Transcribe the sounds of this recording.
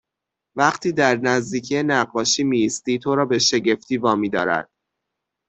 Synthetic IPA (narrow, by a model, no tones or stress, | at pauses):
væɢt̪ʰiːd̪æɾnæzd̪iːcʰijenæɢːɒːʃiːmiːst̪iːt̪ʰo̞ɾɒːbe̞ʃe̞ɟe̞ft̪ʰiːvɒːmiːd̪ɒ̰ːɾæ̰d̪̥